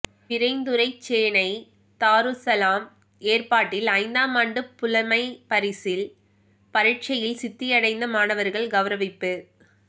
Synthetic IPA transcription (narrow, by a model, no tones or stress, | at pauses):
pɪɾɐɪnd̪ɯɾɐɪt͡ʃːeːnɐɪ | t̪aːɾɯsɐlaːm | eːrpaːʈːɪlɐɪnd̪aːmaːɳɖɯpʊlɐmɐɪpɐɾɪsɪl | pɐɾɪʈ̚t͡ʃɐjɪlsɪt̪ːɪjɐɽɐɪnd̪ɐmaːnɐʋɐɾɣɐɭɡɐʋɐɾɐʋɪpːɯ